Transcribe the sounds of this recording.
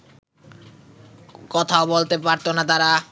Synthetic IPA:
kɔt̪ʰaobolt̪epaɾt̪onat̪̬aɾa

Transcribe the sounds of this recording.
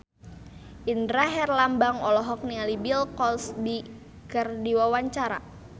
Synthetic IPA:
ʔindɾaɦɛrlambaŋɔlɔɦɔk̚nialibilkɔlsbi | kərdiwawaɲt͡ʃaɾa̰

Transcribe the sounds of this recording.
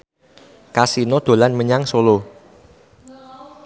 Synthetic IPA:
kasinod̪̥o̤lanməɲaŋsolo

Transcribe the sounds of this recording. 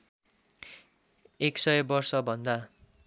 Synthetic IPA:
eksʌjbʌrsʌbʱʌnd̪a

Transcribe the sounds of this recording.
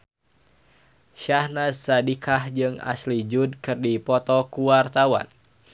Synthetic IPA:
ʃahnasadikʰahd͡ʒɨŋa̰slid͡ʒud̚kɨrdipɔt̪ɔkuwart̪awa̰n

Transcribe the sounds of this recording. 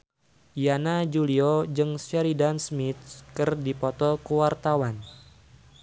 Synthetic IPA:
ijanad͡ʒuliod͡ʒɨŋsɛɾidansmit̪̚kɨrdipɔt̪ɔkəwart̪awan

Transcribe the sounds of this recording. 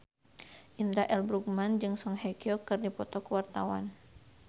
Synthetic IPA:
ʔind̪ɾaʔɛlbɾuk̚mand͡ʒɨŋsɔŋɦɛkiɔkɨrdipɔt̪ɔkəwart̪awa̰n

